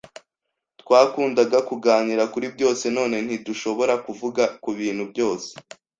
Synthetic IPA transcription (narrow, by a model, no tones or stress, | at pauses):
tkwaːkuːndaɡakuɡaːɲiɾakuɾib̚ɟo̞ːse̞no̞ːne̞n̥hiduʃo̞βo̞ɾakuvuɡakuβiːn̥hubɟo̞ːse̥